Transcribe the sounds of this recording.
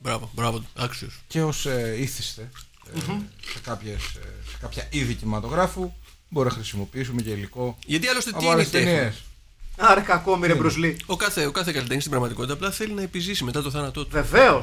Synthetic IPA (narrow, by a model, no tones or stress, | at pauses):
bɾɐvobɾɐvoɐksiosce̞oseiθist̪e̞ | sekɐpçessekɐpçɐiðicimɐt̪o̞ɣɾɐfu | bo̞ɾinɐxɾisimo̞piis̬umeceiliko̞ʝɐt̪iɐlo̞st̪etɐp̪olest̪enies | ɐɾɐkɐkomiɾebɾuzliokɐθe̞okɐθe̞kɐlit̪enist̪ibɾɐɣmɐt̪iko̞t̪it̪ɐːplɐθe̞linɐepizisime̞t̪ɐt̪oθɐnɐt̪o̞t̪uveve̞o